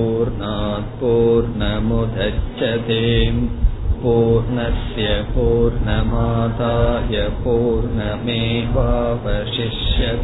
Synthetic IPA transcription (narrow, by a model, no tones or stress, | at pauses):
uːɾɳaːt̪̚puːɾɳɐmud̪ʱɐt͡ʃt͡ʃːɐt̪eːmpuːɾɳɐsjɐpuːɾɳɐmaːd̪ʱaːjɐpuːɾɳɐmeːʋaːʋɐʂiʂjɐ